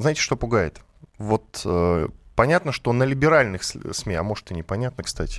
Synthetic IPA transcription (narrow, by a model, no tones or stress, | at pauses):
znajɪtʲɪ̥ʂt̪opʊɡajɪ̰t̪ | vo̞t̪əpɐnʲat̪nəʂt̪o̞nəlʲɪbʲɪɾalʲnɨxssmʲeɐ̰mo̞ʐt̪ɨnʲɪpɐnʲat̪nəkst̪atʲɪ̥